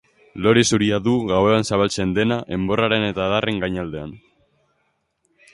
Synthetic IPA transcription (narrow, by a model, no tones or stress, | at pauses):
lo̞ɾesuɾiaðuɣawe̞ansaβalt͡se̞nd̪e̞naʔe̞mbo̞raɾe̞ne̞t̪aːðarʔe̞ŋɡajɲald̪e̞a̰n